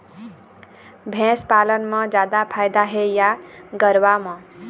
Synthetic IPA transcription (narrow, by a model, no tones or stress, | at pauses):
bʱẽspalənmʌd͡ʒad̪apʰajd̪aɦejaɡʌɾwamʌ